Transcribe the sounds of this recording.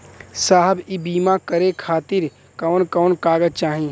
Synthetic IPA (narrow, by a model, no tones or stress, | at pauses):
saːɦəbibiːmakəɾekʰaːt̪ɪɾ | kaːnkɔːnkaːɡəd͡ʒt͡ʃaːɦĩː